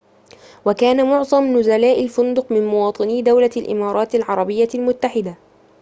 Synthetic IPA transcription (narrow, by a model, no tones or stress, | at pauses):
wakaːnamʊʕzˤɑmnʊzalaːʔalfʊnd̪ʊqmɪnmʊwɑːt̪ˤɨniːd̪awlalʔɪ̰mɑːɾˤɑːt̪alʕɑɾˤɑbɪjːalmʊt̪ːaħɪd̪a